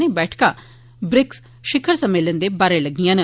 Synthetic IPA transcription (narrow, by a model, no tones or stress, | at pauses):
neːbɛːʈʰkaː | bɾɪks | ʃɪkʰəɾsəmeːlənd̪eːbaːɾeləɡːijãːnə